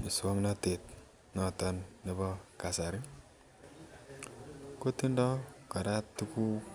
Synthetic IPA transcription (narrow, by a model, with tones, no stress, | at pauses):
i˨sa˦ŋna˦te˨t̪ | nɔ˨tɔ˦nːi˨bɔ˦ka˨sa˨ɾi˦ | ko˦t̪i˦ndɔ˦kɔ˨ɾa˦tːi˦ku˦